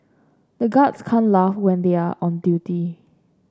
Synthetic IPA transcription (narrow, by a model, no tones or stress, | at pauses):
d̪əɡɔdskʰãnlafwɛ̃ndeaʔɔ̃ndjuti